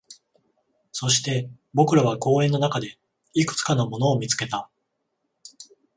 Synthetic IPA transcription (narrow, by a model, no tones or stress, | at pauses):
so̞ɕi̥t̪e̞ | bo̞kɯ̟ɾaβako̞ːẽ̞nːo̞nakad̪e̞ | ikɯ̟̥t͡sɨ̥kanomo̞no̞ːmʲit͡sɨ̥ke̞t̪a